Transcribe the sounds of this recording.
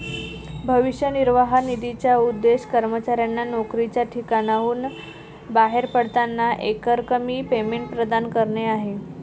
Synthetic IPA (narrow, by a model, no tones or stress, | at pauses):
bʱəʋiɕjəniɾʋaɦanid̪it͡ɕjaud̪ːeɕkəɾmət͡ɕaɾjanːanokɾit͡ɕjaʈʰikaɽ̃auːn | baɦeɾpəɽt̪anːaʔekəɾkəmiːpemeɳʈ̚pɾəd̪ankəɾɳeaɦe